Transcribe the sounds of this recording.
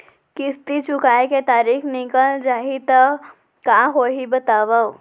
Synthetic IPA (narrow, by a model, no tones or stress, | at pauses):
kɪst̪it͡ʃʊkaːeket̪aːɾiːxnɪkəld͡ʒaːɦit̪ə | kaɦoːɦibɐt̪aːʋao